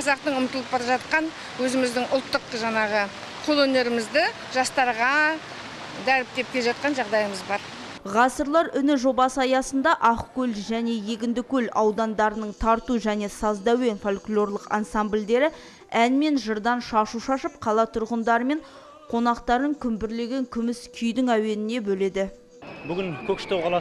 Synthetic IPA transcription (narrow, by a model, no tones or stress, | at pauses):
qʰɑzɑqt̪əɴʊmət̪əlˠəp̚bɑɾɑʒɑt̪̚qɑn | wɵzɪmɪzd̪ɪŋʔʊlˠt̪ːəqʒɑɴɑʁə | qʰolˠɵne̞ɾɪmɪzd̪ɪ | ʒɑst̪ɑɾʁɑ | d̪æɾɪp̚t̪e̞p̚kʲeʒɑt̪̚qɑnʒɑʁd̪ɑjəməzbɑɾ | ʁɑsəɾlˠɑɾʏnɪʒo̞bɑsəɑjɑsənd̪ɑʔɑqkʲɵlʒæne̞je̞ɡʲɪnd̪ɪkʲɵlɑwd̪ɑnd̪ɑɾənəɴt̪ʰɑɾt̪uʒæne̞sɑzd̪ɑwe̞nfolʲklˠo̞rlˠəqɑ̰nsamblʲd̪e̞ɾɪ | ænme̞nʒəɾd̪ɑnʃɑʃuʃɑʃəpqʰɑlˠɑt̪ʰʊɾʁənd̪ɑɾəme̞ɴ | qʰo̞nɑqt̪ɑɾəɴkʲʰʏmbɪɾle̞ɡʲe̞ŋkʲʰʏmɪskʲʰʏjd̪ɪŋæwe̞nɪne̞bɵle̞d̪ɪ | bʏɡʲɪŋkʲʰɵkʃɪ̥t̪ʰowʁɑlˠɑ